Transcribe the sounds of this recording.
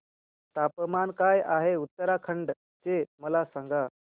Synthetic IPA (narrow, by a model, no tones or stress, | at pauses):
t̪apmankajaɦeut̪ːəɾakʰəɳɖ | t͡ɕeməlasãŋɡa